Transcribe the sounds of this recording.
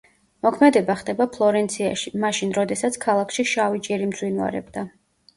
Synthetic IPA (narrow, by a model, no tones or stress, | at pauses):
mɔkʰmɛd̪ɛbaχd̪ɛbapʰlˠɔɾɛnt̪sʰia̰ʃimaʃinɾɔd̪ɛsat̪sʰkʰalˠakʰʃiʃavid͡ʒʼɛɾimd̪zʼwinva̰ɾɛ̰bd̪a